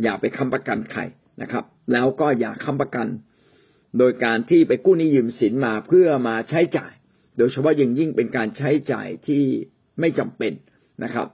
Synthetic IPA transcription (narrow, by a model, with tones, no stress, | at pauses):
jaː˨˩k̚pa˧jkʰa˧mpɾa˧ka˧nkʰa̰˧j | na̰˦˥kʰɾa˦˥p̚lɛː˦˥wkɔː˥˩ja̰ː˨˩kʰːa˧˥˩mpɾa˧ka˧n | doː˧jkaː˧nt̪ʰiː˥˩pa˧jkuː˥˩niː˦˥˩jɯː˧msi˩˦nmaː˧pʰɯ˥˩ɐmaː˧t͡ɕʰa˦˥jt͡ɕa̰ː˨˩j | doː˧jt͡ɕʰa˧pʰɔ˦˥ja˧ŋji˥˩ŋpe˧nkaː˧nt͡ɕʰa˦˥jt͡ɕa̰ː˨˩jt̪ʰiː˥˩ | ma˥˩jt͡ɕa˧mpe˧n | nʔa˦˥kʰɾa̰˦˥p̚